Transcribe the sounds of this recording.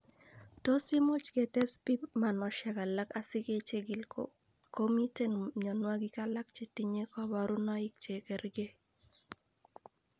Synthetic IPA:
to˦si˦mo˦t͡ʃke˨tɛ˦spi˦pma˨nɔ˨ʃɛ˨ka˨la˦ka˦sɪ˦ke˦t͡ʃe˦ɡɪ˨lko | ko˦mi˦te˦nɲɔ˨nwa˦ɡi˦ka˦la˦k̚t͡ʃe˦ti˦ɲe˦kɔ˦ba˨ɾu˦nɔ˦ɪ˦k̚t͡ʃe˨kɛ˨ɾɡe˦

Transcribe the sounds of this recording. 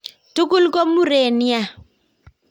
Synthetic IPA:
tu˦ku˦lko˦mu˦ɾe˨ni˦a˨

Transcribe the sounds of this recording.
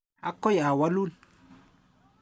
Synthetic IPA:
a˦kɔ˦ja˨wa˦lu˦˨n

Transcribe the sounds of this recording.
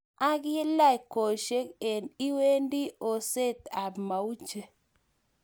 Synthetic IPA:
a˦ɡɪ˦la˦˨ko˨ʃe˦ke˨ni˦we˦ndi˦o˨se˦t̪a˨bma˨u˦t͡ʃe˨

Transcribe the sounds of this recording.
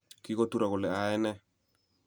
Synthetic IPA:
kɪ˦ko˦tu˦ɾa˨kʊ˨lɛ˨a˨ɛ˦nɛ˦

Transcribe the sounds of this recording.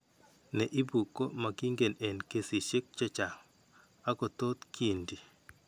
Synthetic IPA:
nɛ˨ʔi˦bu˨kːo˦ma˨ɡi˦ŋɡe˨nɛ˨nke˨si˨ʃe˦k̚t͡ʃɛ˦t͡ʃa˨ŋ | a˦ko˨t̪o˦t̪ke˨ndi˨

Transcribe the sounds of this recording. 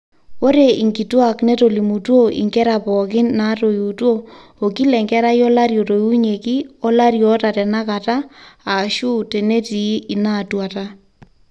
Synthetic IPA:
wo˦ɾe˨i˨ŋɡi˨twa˨knɛ˦to˨li˨mu˨two˦ḭ˨ŋɡɛ˦ɾa˨pɔ˨kɪ˦nːa˨˦to˨ju˨two˦o˨ki˦lɛ˨ŋɡɛ˦ɾa˦jɔ˦la˦ɾjo˨to˨ju˦ɲe˨ki˦ɔ˦la˦ɾjɔ˨˦ta˨tɛ˨na˦ka˨ta˦a˨ʃu˦tɛ˨ne˦ti˨˦i˨na˦˨twa˨ta˦

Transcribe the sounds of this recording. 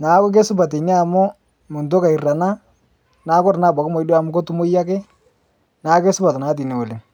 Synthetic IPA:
naː˨˦kk̬e˦sʊ˦ba˨t̬e˨nɪ˦a˨mʊ˦ | mʊ˨ntʊ˦ka˨i˨ra˨na˦ | naː˨˦kɔ˦ɾna˦˨ba˨kɪ˦mo˨i˦do˦a˨mʊ˦ko˦tu˦mo˦ja˦kɪ˦ | naː˨˦ke˦sʊ˦ba˨ta˨naː˨˦t̬i˨ne˨o˨le˨

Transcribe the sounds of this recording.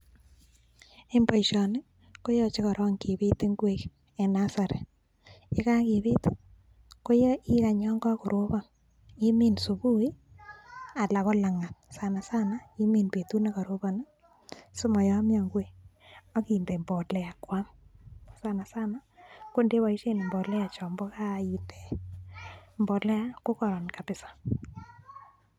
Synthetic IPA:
e˦mbo˨jʃɔ˨nɪ˦ | ko˦jɔ˦t͡ʃe˦ka˨ɾʔɔ˦ŋki˨βi˦te˦ŋɡwe˦k | e˨na˦sa˨ɾḛ˨ | ɪ˦ka˦ki˨βe˦t | ko˦jɔ˦ʔi˦ɾa˨ɲɔ˦ŋɡɔ˦kʊ˨ɾʔo˦ba˦ | i˦mi˦nsu˨bu˦i˦ | a˨la˨ko˦la˨ŋa˨t̪̚sa˨na˨sa˦na˦i˦mi˦npe˨tu˦na˦ka˨ɾo˦ba˨na˦ | sʊ˦mɔ˨jɔ˦mja˨ŋɡwe˦ | ɔ˦ki˨nde˨mbɔ˨tlɛ˨a˨kwa˦m | sa˦na˨sa˦na˦ko˦nde˦wa˨i˦ʃe˦ne˨mbɔ˨tlɛ˦a˨t͡ʃɔ˨mbɔ˦ka˦i˨nde˨ | mbɔ˨tlɛ˦a˦ko˦kɔ˨ɾɔ˨nka˨pɪ˨sḁ˨

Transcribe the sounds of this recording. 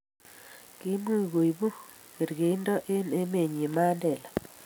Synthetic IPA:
ki˦mwi˦˨ɣo˨ji˨bu˦ | ɣe˨ɾɣe˨i˦ndɔ˦ʔe˦ne˦me˨ɲi˨ma˦ndɛ˨la˨

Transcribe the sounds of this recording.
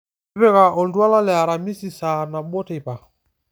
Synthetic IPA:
pɛ˦ka˨ʔɔ˨ndwa˦la˦lɛ˨a˨ɾa˨mi˦si˨sa˨na˨ɓɔ˦ta˦˨i˨pa˨

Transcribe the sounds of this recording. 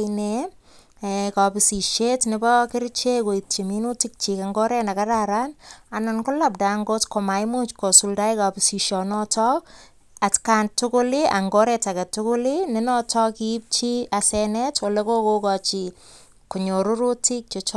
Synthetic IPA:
ne˨ | eka˨pi˨si˨ʃe˦tnɪbɔkɪ˦ɾt͡ʃe˦ko˨i˨tt͡ʃemi˦nu˦tɪ˦k̚t͡ʃikaŋɡɔ˦ɾɛ˦na˨ka˦ɾaɾa˦na˨nɔnkʊ˦la˨p̚da˨ŋɡo˦tkɔ˨ma˨jmu˦t͡ʃko˨sulda˦ika˨pɪsi˨ʃɔ˨nɔ˦tɔ˦k̚ | atkantʊkʊ˦li˦a̰˨ŋɡɔ˦ɾɛtakɛ˨tʊkʊ˦linɪnɔtʰɔ˦kip̚t͡ʃi˦asɛnɛtwo˨le˦ko˦ko˦kɔt͡ʃi˨ | ko˨ɲo˨ɾu˦ɾu˦ti˦k̚t͡ʃɔt͡ʃ

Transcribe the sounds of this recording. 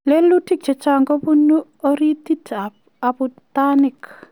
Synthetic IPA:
le˦lu˦ti˦k̚t͡ʃɛ˨t͡ʃa˨ŋɡɔ˦bu˦nu˦ɔ˦ɾi˦ti˦t | a˨putanɪ˨k

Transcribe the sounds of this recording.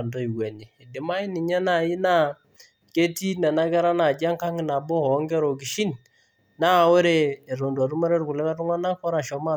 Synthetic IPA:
ndo˦i˨wɛ˨ɲiː˨dɪ˨ma˦i˦nɪ˨ɲɛ˦na˨ji˦na˦ | ke˦ti˦nɛ˨na˦ɡɛ˦ɾa˦na˨d͡ʒa˦ŋka˦ŋ˨na˨bo˦hɔ˨˦ŋɡɛ˦ɾo˨ɡ̬i˨ʃi˦n | na˦˨wo˦ɾeː˦˨ɾo˨nda˨ɾu˦ma˦ɾe˦ɾku˨lɛ˦la˦ɾu˦ŋa˦na˦kɔ˦ɾa˨ʃɔ˨˦ma˦

